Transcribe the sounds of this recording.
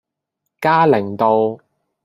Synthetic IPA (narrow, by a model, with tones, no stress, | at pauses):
kaː˥lɪ˨˩ŋt̪o˨˧w